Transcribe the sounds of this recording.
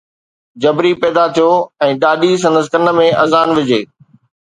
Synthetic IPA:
d͡ʑɐbɾipɛːd̪at̪ʰijoɛ̃ːɗaːɗis̬ɐ̃nd̪əskənə̆mẽɐzaːnʋɪd͡ʑeː

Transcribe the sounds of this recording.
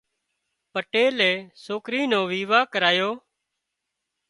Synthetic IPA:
pəʈeːleːsoːkɾiːnoːʋiːʋaːkəɾaːjoː

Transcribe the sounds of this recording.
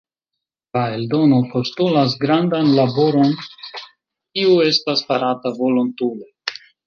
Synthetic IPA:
lae̞ldo̞no̞po̞stulas̬ɡɾandanlabo̞ɾo̞n | kiue̞staspaɾatavolontule

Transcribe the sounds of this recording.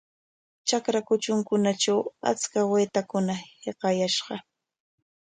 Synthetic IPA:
t͡ʃakɾakʊt͡ʃʊŋkʊnat͡ʃawa̰t͡skaweːt̪akʊnaheqɑjaʃɢɑ

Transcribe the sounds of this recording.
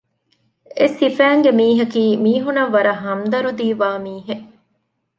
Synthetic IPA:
esifæːŋɡemiːɦɐkiːmiːɦunɐʋːɐɾɐɦɐmd̪ɐɾud̪iːʋaːmiːɦeʔ

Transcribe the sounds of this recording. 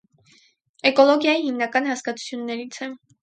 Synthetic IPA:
ɛkɔlɔɡjɑjihimnɑkɑnhɑskɑt͡sʰu̥t͡sʰjunːɛɾit͡sʰɛ

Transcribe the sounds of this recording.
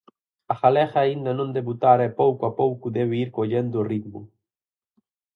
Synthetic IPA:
axalɛxaːind̪anõnd̪eβut̪aɾɛpowkuapowkuðɛβeiɾkoʎend̪oːrid̪mu

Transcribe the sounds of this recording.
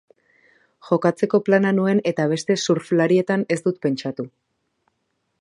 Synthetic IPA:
ʝo̞kat͡se̞ko̞plananue̞ne̞t̪aβ̞e̞st̪e̞suɾflaɾie̞t̪ane̞sd̪ut̪pe̞nt͡ʃat̪u

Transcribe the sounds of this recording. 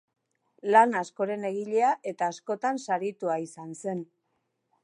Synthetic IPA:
lanasko̞ɾe̞ne̞ɣiʎe̞aʔe̞t̪aːsko̞t̪ansaɾit̪uaisanse̞n

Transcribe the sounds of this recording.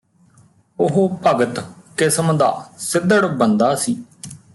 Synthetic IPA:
ʊɦoːpəɡət̪kɪsmd̪aːsɪd̪ːəɽbənd̪aːsiː

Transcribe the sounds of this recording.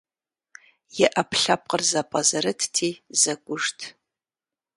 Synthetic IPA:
jɛʔɐpʰɬap̚ʼqʼərzɐpʼɐzɐɾɨtʰtʰiːzɐɡʷʊʐtʰ

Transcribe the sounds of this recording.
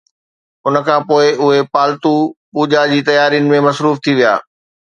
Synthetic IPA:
ʊnəkʰãːpoːɪʔʊɦepaːlt̪upuːd͡ʑad͡ʑiːt̪ɐjaːɾijnɪ̆mẽmɐsɾuːft̪ʰiʋija̰ː

